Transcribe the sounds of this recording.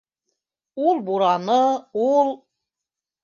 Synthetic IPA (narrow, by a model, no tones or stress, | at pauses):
ulˠbuɾɑnɤulˠ